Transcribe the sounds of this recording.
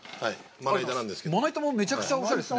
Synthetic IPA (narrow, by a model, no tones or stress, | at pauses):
haiaait̪anãnd̪eskemonait̪amome̞t͡ɕakɯ̟̥t͡ɕaoɕaɾes